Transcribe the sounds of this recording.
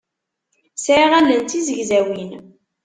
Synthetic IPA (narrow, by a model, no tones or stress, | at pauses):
sʕiʁælənt̪izəʝzæwin